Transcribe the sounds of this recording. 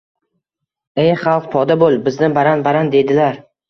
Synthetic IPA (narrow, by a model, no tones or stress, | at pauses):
ejχɑlˠq̚pʰɒd̪abolˠbɪznɪbaɾanbaɾand̪e̞d̪ɪlaɾ